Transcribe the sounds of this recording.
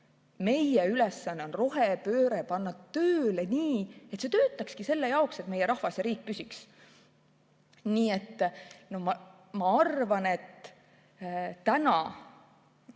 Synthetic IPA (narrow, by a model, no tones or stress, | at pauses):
me̞jeylesːɑnːeonro̞ɦepø̞ːɾepɑnːɑt̪ːøːleniːet̪ːˑse̞ːt̪øːt̪ˑːɑkskise̞lːe̞jɑokse̞t̪meje̞ɾɑhvɑsjɑɾiːk̚ːpysiks | niːe̞t̪ːno̞mɑ | mɑɑrvɑne̞t̪ | t̪ænɑ